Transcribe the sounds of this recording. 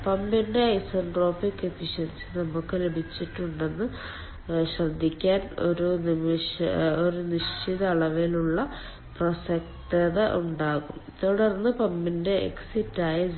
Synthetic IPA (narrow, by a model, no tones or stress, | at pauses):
pɐmbinde̞ɐjsɐnʈro̞ːfikːefiɕɐnsɨnɐmukːɨle̞bʱit͡ɕːiʈːuɳɖe̞nːɨ | ɕrɐd̪ʱːikʲːaːno̰ɾunimɕoɾuniʂt͡ɕiðɐːɭɐʋiluɭːɐ | prosɐktɐðɐʔuɳɖaːɣumt̪oɽɐrnːɨpɐmbinde̞ʔḛksitːaːjɐ